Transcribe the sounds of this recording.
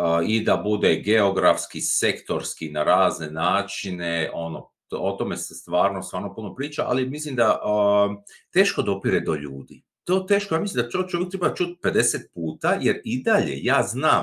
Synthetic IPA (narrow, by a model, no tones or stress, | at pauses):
id̪abud̪eɡeo̞ɡɾafskise̞kt̪o̞ɾskinaɾaːzne̞naːt͡ʃineʔo̞no̰ | ot̪o̞me̞sest̪ʋaːɾnost̪ʋaːɾnopunopɾiːt͡ʃaʔa̰limislimd̪aʔ | t̪e̞ːʃkod̪opiɾed̪o̞ʎṵːd̪ḭ | t̪o̞ːt̪e̞ːʃko̞jaːmislimd̪aot͡ʃojek̚t̪ɾebat͡ʃut̪̚pe̞d̪e̞set̪̚puːt̪ajeɾid̪aʎe̞̰jaːznaːm